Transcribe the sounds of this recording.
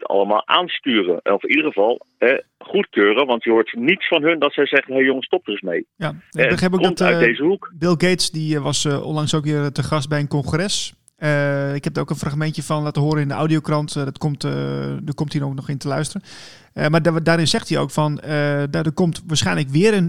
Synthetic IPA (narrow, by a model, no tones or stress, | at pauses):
tɑ̰ləma̰ːlˠʔa̰ːnstyːrə̰nɔfidəɣəvɑlˠɛχutkøːɾəʋɑntihoːtnitsfɔnɦɵndɔtsɛjzɛχənɦejjoŋəstɔp̚təsmejjabəxɛːpokdɔmtœdejzəɦukbɪlˠɡeːtsdiʋɑsɔ̰nlɑŋsokʋɪːrtəχɑst̚bɛjənkɔnxrɛs | əɪkhɛp̚daɾowkənfraxmɛntjəfɔnlaːtəɦoːɾənɪndəʔa̰wdiowkrɑntdɔtkomtdəkɔmtinoknɔxɪntəlœɥstərən | madaːɾɪnsɛxtio̰wkfɔnədadokɔmtʋaːɹsχɛjnləkʋɪəɾən